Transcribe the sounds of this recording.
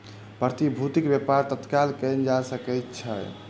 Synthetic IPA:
pɾət̪ibʱut̪ikbjepaɾt̪ət̪kalkənd͡ʒasəkəjt̪t͡ʃʰə

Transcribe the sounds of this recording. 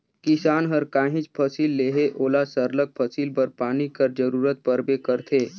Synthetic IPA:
kɪsaːnɦəɾkaːɦɪ̃t͡ʃpʰəsiːlːeːɦeʔoːlasəɾlək̚pʰəsiːlpəɾpaːnikəɾd͡ʒəɾuːɾət̪̚pəɾbekəɾt̪ʰeː

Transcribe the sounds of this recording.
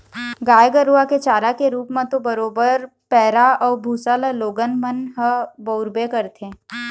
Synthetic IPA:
ɡaːjɡəɾuaket͡ʃaːɾakeɾuːpmẽt̪obəɾoːbəɾ | pɛːɾaɔːɾbʱuːsaːlaloːɡənmənɦəbəʊɾbekəɾt̪ʰẽ

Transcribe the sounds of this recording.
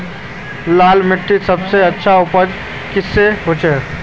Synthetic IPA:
laːlmɪʈːisɐbseɐtːʃʰaʊpəd͡ʒ | kɪsːeɦoːt͡ʃeː

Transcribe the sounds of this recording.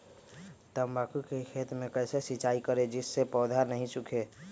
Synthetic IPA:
t̪əmbakukekʰeːt̪mẽkəɪsesɪt͡ʃaːikəɾed͡ʒɪsːepɔːd̪ʱanəɦĩt͡ʃʊkʰe

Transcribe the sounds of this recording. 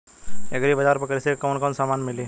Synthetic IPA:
eɡɾibɐd͡ʒaːɾpɐkɾisekoːnkɔːnsaːmaːnmɪliː

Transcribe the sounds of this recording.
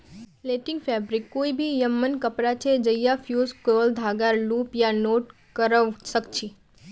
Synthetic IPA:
leʈɪ̃ŋɡfɛːbɾɪkːoːibʱijəmːənkəpɾat͡ʃʰed͡ʒəjafʰjuːzkoːld̪ʱaːɡaɾluːpjanoːʈ | kəɾəʋsəkt͡ʃʰi

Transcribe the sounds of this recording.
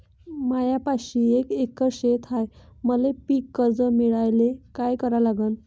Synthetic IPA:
majapaɕiːekekːəɕet̪ɦajməlepiːkːəɾd͡zəmiɭajlekajkəɾalaɡən

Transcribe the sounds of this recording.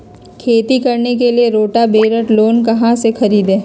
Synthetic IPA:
kʰeːt̪ikɐɾnek̬elieɾoːʈabeːɾəʈloːnkɐɦãsexɐɾiːd̪ẽː

